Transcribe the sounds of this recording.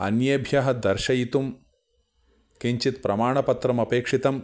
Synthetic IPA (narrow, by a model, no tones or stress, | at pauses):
ɐ̰njɐbʱjɐɦɐd̪ɐɾʃɐjit̪um | kiɲt͡ʃit̪pɾɐmaːɳɐpɐt̪ɾɐmɐpeːkʂit̪ɐm